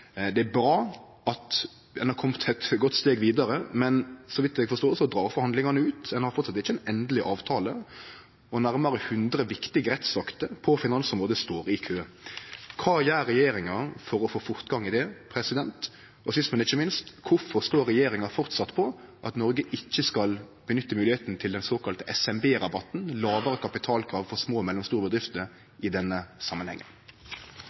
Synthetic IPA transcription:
d̪ɛæbɾɑː | ɑt̪ | ɛnɑkʰɔmt̪ʰɛt̪ɡɔt̪ːst̪eːɡʋiːd̪ɑɾəmɛnsɔʋɪt̪d̪ɛɡfɔɾst̪oːsɔd̪ɾɑːɾfɔɾhɑnd̪lɪŋɑnəʉːt̪ɛnhɑɾfɔɾt̪sɑt̪ːɛɪçːəɛnɛnd̪lɪʔɑːʋt̪ʰɑːlə | ɔnæɾmɑɾəhʉnd̪ɾəʋɪkt̪ɪɡəɾɛt̪sɑkt̪əpʰɔfɪnɑnsɔmʁoːd̪əst̪oːɾɪkʰøː | kʰɑːjæːɾɛjeːɾɪŋɑfɔɾɔfoːfʊʁt̪ɡɑŋːɪd̪ɛpʰɾɛsɪd̪ɛnt̪ | ɔsɪst̪mɛnɪçəmɪnst̪kʰʊfɔʁst̪oːɾɛjeːɾɪŋɑfɔʁt̪sɑt̪ːpʰɔ | ʔɑt̪nɔɾɡəʔɪçːəskɑl | b̥ənʏt̪ːəmʉːlɪheːt̪n̩t̪ʰɪld̪ɛnsoːkɑlt̪əʔɛsɛmbeːɾɑbɑt̪n̩lɑːʋəɾəkʰɑpɪt̪ʰɑːlkʰɾɑːʋfɔʁsmoːmɛlːɔmst̪uːɾəbəd̪ɾɪft̪ə | ɪd̪ɛnːəsɑmːənhɛ̰ŋːə̰n

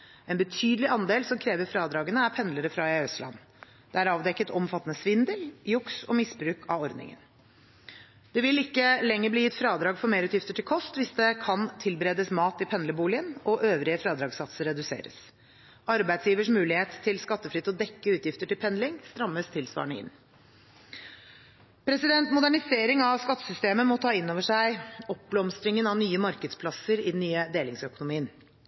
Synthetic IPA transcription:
ɛnbət̪ʰyːd̪əlɪʔɑnd̪eːlsɔmkʰɾeːʋəɾfɾɑːd̪ɾɑːɡənəæɾpʰɛnləɾəfɾɑɛœslɑ̰n | d̪̥ɛæɾɑːʋd̪ɛkːət̪ʰɔmfɑt̪ːənəsʋɪnd̪əljʊksɔ̰mɪsbɾʉːkʰɑ̰ɔɾd̪nɪ̰ŋə̰n | d̪̥ɛʋɪlɪkːəlɛŋːəɾbliːjɪt̪fɾɑːd̪ɾɑːɡfɔɾmeːɾʉːt̪jɪft̪əʈʰɪlkʰɔst̪ʋɪsd̪ɛkʰɑnt̪ʰɪlbəɾeːd̪əsmɑːt̪ɪpʰɛnləbuːlɪənɔʔøːʋɾɪəfɾɑːd̪ɾɑːɡsɑt̪səɾɛd̪ʉsḛːɾə̰s | ɑɾbæɪd̪sjiːʋəʂmʉːlɪheːt̪ʰːɪlskɑt̪ːəfɾʏt̪ːɔd̪ɛkːəʉːt̪jɪft̪əʈɪlpʰɛnlɪŋst̪ɾɑmːəst̪ʰɪlsʋɑ̰ːɳəɪ̰nː | pʰɾɛsɪd̪ɛnt̪mʊd̪æɳɪseːɾɪŋɑʋskɑt̪ːə̥sʏst̪eːməmɔt̪ʰɑːɪnːoːʋəʂæɪɔp̚blɔmst̪ɾɪŋənɑnyːəmɑɾkəd̪spʰlɑsəɾɪd̪ɛnːyːəd̪eːlɪŋsœkʊnʊmiːən

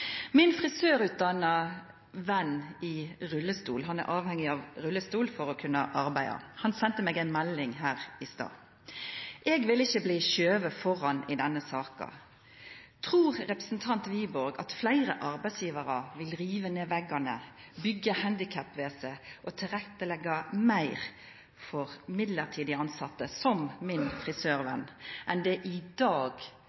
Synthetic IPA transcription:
mɪnfʁɪsøːɾʉːt̪̚d̪ɑnɑ | ʋɛnɪʁʉlːəst̪ṵːlɦɑnæ̰ɾʔɑːʋhɛŋːɪɑʋɾʉlːəst̪uːlfɔɾɔkʰʉnːəʔɑɾbæɪd̪ɑ̰hɑnsɛnt̪əmeːɡæɪnmælːɪŋɦæːʁɪst̪ɑ̰ː | ʔɛːɡʋɪlɪçːəbliːçøːʋəfɔɾɑnɪd̪ɛnːəsɑːkɑ̰ | t̪ʰʁuːʁɾɛpɾəsn̩t̪ʰɑnt̪ʋiːbɔɾɡɑ̰t̪flæɪɾəʔɑɾbæɪsjiːʋɑɾɑʋɪlʁiːʋəneːʋɛɡɑnəbʏɡːəhænd̪ɪkʰæpːʋeːsəʔɔt̪ʰɪlʁɛt̪ːəlɛɡːɑmæɪʁ | fɔʁmɪd̪ləʁt̪ʰiːd̪ɪəɑnsɑt̪ːəsɔmːɪnfʁɪsøːʁʋɛnːʔɛnd̪ɛʔɪd̪ɑːɡ

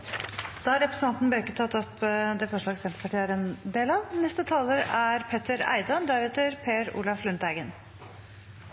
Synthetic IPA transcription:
d̪̥ɑæɾɛpɾsn̩ɑnt̪n̩bøːkːət̪ʰɑt̪ːɔpd̪ɛfɔʂɭɑːɡsɛmt̪əpʰɑʈiæɾɛnd̪eːlɑʋnɛst̪ət̪ʰɑːləɾæɾpʰet̪əɾæ̰ɪd̪ɑnd̪æɾɛt̪əɾpʰeːɾṵːlɑflʉnt̪æɪɡən

